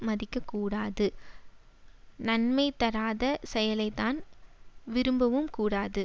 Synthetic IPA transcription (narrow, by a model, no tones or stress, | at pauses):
mɐðɪkːɐkːuːɽaːðɯ | nɐnmɐɪt̪ːɐɾaːðɐsɛjɐlɐɪt̪ːaːn | ʋɪɾɯmbɐʋɯmkuːɽaːðɯ